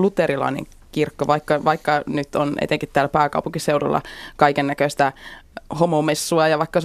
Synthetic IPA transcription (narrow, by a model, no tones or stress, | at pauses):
lut̪eɾilɑ̰inḛ̃ŋ | kirkːoʋɑikːɑʋɑikːɑnyt̪onʔḛt̪eŋkit̪t̪ːæːlæpæːkɑ̰upuŋkiseudṵlːɑ̰kɑikenːækøst̪æhomomesːuɑjɑʋɑikːɑs